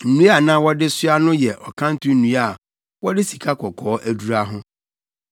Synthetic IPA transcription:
n̩˨nũ˦a˦˨nã˦wɔ˦dɪ˦sʊ˦a˦nʊ̃˦jɛ˨ʔɔ˨kʰã˦n̩˦tʰʊ̃˦n̩˦nũ˨˦a˨ | wɔ˦dɪ˦si˨kʰa˦kʰɔ˨kʰɔː˨˦ʔæ˦du˨ɾa˦ɦʊ̃˦

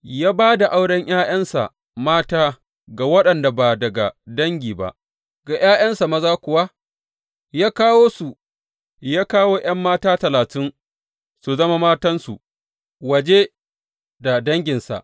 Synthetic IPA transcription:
jaː˦baː˦da˨ʔa˦wɽɐ˦ɲj̰aː˦j̰ɐ˦nsa̰˨ | maː˦taː˦ | ɡa˨wɐ˦ɗɐ˨nda˨ba˨dɐ˨ɡa˨dɐ˦ŋɡʲiː˨ba̰˨ʔ | ɡa˨j̰aː˦jɐ˦nsa˨mɐ˦zaː˦kʷʊ˨wa˦ | jaː˦kaː˦woː˦su˨ | jaː˦kaː˦woː˦ʔɐ˦mːaː˦taː˦tɐ˨laː˨tɪ˦n | su˨zɐ˦ma˦maː˦tɐ˦nsṵ˨ | wɐ˨d͡ʒe˦ | da˨dɐ˦ŋɡʲɪ˨nsa̰˨ʔ

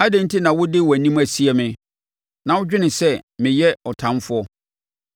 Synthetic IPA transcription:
a˦dæ̃˨n˦tʰi˦nã˨wʊ˦dɪ˦˨wæ˨nĩ˦mæ˨si˦ɛ˨mɪ̃˨ | nã˨wʊ˦d͡ʑᶣɪ˦nɪ̃˨sɛ˦mɪ̃˨jɛ˦ɔ˨tʰã˨˦mfʊ˦ɔ˦

